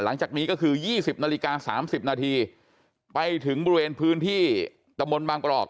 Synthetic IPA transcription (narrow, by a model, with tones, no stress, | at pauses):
la˩˦ŋt͡ɕaː˨˩k̚niː˦˥kɔː˥˩kʰɯː˧jiː˥˩si˨˩p̚naː˧li˦˥kaː˧sa̰ː˩˦msi˨˩p̚naː˧t̪ʰiː˧ | pa˧jt̪ʰɯ˩˦ŋbɔː˧ɾi˧weː˧npʰɯː˦˥nt̪ʰiː˥˩ | t̪a˧mbo˧nbaː˧ŋpɾɔ̰ː˨˩k̚